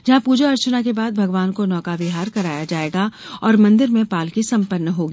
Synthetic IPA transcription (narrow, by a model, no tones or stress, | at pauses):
d͡ʒɐɦãpuːd͡ʒoɐɾt͡ʃənak̬ebaːd̪̚bʱɐɡʋaːnkonɔːkaʋɪɦaːɾkɐɾaːjad͡ʒaːeːɡaɔːɾmɐ̃nd̪ɪɾmẽpaːlkisɐ̃mpənːəɦoːɡiː